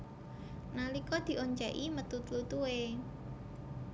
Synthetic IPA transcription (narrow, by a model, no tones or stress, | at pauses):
nalikɔd̪̥i̤ʔoɲt͡ʃaʔimət̪ut̪lut̪ue